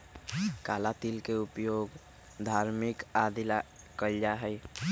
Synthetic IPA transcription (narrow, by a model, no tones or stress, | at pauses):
kalat̪ilkeupjoɡ | d̪ʱaɾmikad̪ila | kəld͡ʒaɦəj